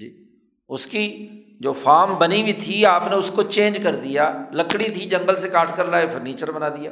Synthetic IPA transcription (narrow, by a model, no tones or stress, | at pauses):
d͡ʒiː | ʊski | d͡ʒoːfʰaːɾmbənibʱit̪ʰiaːpneʊskot͡ʃẽːnd͡ʒkəɾd̪ɪjaːləkɽit̪ʰid͡ʒə̃ŋɡəlsekaːʈkəɾlaːefʰʊɾniːt͡ʃəɾbənaːd̪ɪjaː